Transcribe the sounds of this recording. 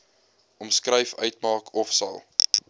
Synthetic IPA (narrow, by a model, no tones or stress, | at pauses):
ɔmskrəjfœɥtmɑːkʰɔfsɐ̰lˠ